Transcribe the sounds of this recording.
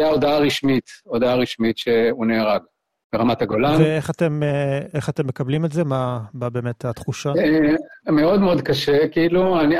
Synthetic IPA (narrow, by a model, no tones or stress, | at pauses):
jaodaaʁiʃmit̪odaaʁiʃmitʃeuneːʁaɡ | beʁamat̪aɡolaneeχate̞meχatemːe̞kablimetze̞mababe̞ːmet̪at̪χuʃaemeo̞d̪meod̪kaʃekiiluani